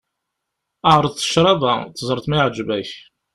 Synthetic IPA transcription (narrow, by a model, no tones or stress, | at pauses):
əʕɾˤəðˤθə̥ʃɾˤɑðæθəzˤəɾˤəθmæjʕd͡ʒvæç